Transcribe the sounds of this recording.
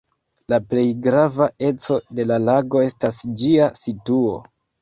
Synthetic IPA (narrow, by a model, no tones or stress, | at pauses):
laple̞jɡɾavae̞t͡so̞de̞lalaɡo̞e̞stasd͡ʒiasituo̞